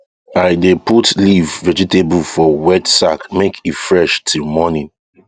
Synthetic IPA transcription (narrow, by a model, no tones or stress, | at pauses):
aɪdeputlivːɛd͡ʒiteblfɔwɛtsakmekʰitfɹɛʃtʰilmɔnĩn